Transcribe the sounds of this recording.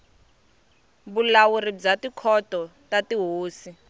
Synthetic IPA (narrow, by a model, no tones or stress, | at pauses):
bulawurid͡zatikʰɔtɔtatiɦoːsi